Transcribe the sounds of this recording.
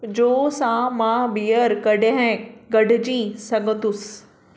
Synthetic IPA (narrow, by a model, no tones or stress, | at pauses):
d͡ʑoːsãmãbiːəɾkɐɖeɦɛ̃ɡɐɖɪ̆d͡ʑiːsɐ̃ŋɡət̪ʊs